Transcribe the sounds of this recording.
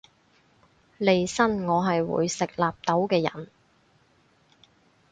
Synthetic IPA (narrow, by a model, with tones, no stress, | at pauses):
le˨˧jsɐ˥nŋɔː˨˧ɦɐ˨jwṵː˨˧jsɪ˨k̚laː˨p̚t̪o˨˥wkɛː˧jɐ̰˨˩n